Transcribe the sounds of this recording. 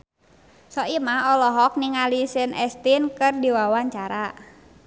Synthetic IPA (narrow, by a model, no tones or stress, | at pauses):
sɔimaɔlɔɦɔk̚niŋalisɪnʔɛst̪inkɨrdiwawaɲt͡ʃaɾa